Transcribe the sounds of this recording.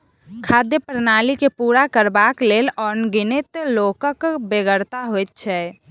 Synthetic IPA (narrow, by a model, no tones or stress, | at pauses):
kʰad̪jəpɾnaːlikepuːɾakəɾbakleːlɔːɾnɡɪnet̪loːkəkbeɡəɾt̪aɦojt̪̚t͡ʃʰɛ